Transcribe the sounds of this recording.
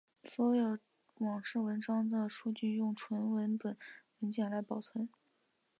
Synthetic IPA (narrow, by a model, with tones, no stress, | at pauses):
swɔ˧˥˧jo˨˩ʊ | wɑ˨˩ŋʂɻ̩˥˩wə˧˥nʈ͡ʂɑ˥ŋd̪ə˨ʂu˥t͡ɕy˥˧jʊ˥˩ŋʈ͡ʂʰwə˧˥nwə˧˥npə˨˩nwə˧˥nɕjɑ˨˩la˧˥ɪpɑ˨˩ʊt͡sʰwə˧˥n